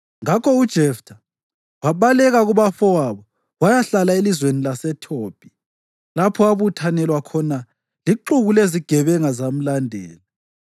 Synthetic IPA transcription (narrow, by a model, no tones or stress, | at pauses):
ŋakʰɔud̥ʒ̥ʱɛftʰa | waβalɛɣaɣuβafɔwaβɔ | wajaɬalaelizwenilasɛtʰoːpʰʼi̥ | lapʰɔaβutʰanɛlwakʰɔna | liǃuɣuleziɡ̥ʱɛβɛŋazam̩landʱɛ̰ːla